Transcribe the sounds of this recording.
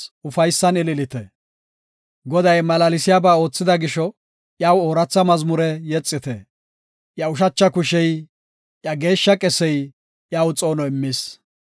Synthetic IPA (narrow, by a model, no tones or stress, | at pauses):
ʊfɐjsːɐnɪlɪlɪt̪ɛ̰ | ɡɔd̪ɐjmɐlɐlɪsɪjaːbaːo̞ːt͡sːɪd̪ɐɡɪʃɔ | ʔjaːwoːɾɐt͡sːɐmɐzmʊɾɛjɛt͡sʼːɪt̪ɛ̰ | ʔjɐʊʃɐt͡ʃːɐkʊʃɛj | ʔjɐɡe̞ːʃːɐkʼɛsɛj | ʔjaːwt͡sʼo̞ːnɔɪmːɪs